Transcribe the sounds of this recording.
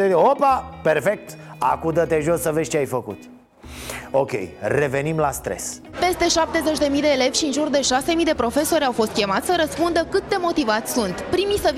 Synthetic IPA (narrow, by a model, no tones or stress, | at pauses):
eopaperfe̞k̚t̪ | a̰kud̪ət̪eʒo̞sːəve̞t͡ʃeajfəkṵt̪ | okʲe̞̰jre̞ve̞nimlast̪ɾe̞̰spe̞st̪e̞ʃap̚t̪e̞ze̞t͡ʃʲd̪e̞mid̪e̞ːle̞vʲʃiɨnʒurd̪e̞ʃase̞mijd̪e̞pɾo̞fe̞so̞ɾʲawfo̞st̪̚kʲe̞mat̪sʲsəɾəspund̪əkɨt̪̚d̪e̞mo̞t̪ivat̪sʲsunt̪pɾimisə